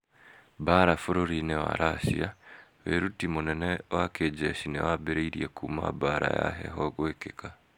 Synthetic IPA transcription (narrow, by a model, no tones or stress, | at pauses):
baɾafoɾoɾinewa̰ɾʔasiaβeɾutimunɛnewaked͡ʒeʃinewabeɾeiɾjḛkuma̰baɾaja̰ɦḛɦoɡwekeka